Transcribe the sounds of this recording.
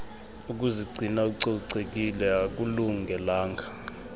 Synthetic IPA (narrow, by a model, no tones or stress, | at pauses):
uk̬ʼuziɡ͡ǀʱinak̬uǀɔǀek̬ʼilɛak̬ʼuluŋɡʱɛlaːŋʱa